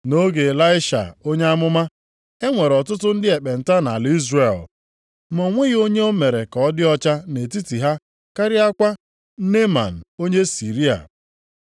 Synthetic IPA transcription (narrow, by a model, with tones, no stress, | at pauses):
no˦ɡe˨la˦ɪ˦ʃa̰˨o˦ɲe˦a˦mʊ˦ma˦ | e˦ŋʷe˨ɾɔ˨tʊ˦tʊ˦n̩˦dɪ˦e˨k͡pe˨n̩˨ta˦na˨li˦zre˨l | mɔ˨ŋʷe˦ɣo˦ɲe˦o˦me˨ɾe˨kɔ˨˦dɪ˦ɔ˦t͡ʃa˦ne˨ti˦ti˨ɦa˦ | ka˦ɾɪ˦a˦kʷa˦ | ne˦ma̰˨n̩˨o˦ɲe˦si˨ɾi˦a̰˨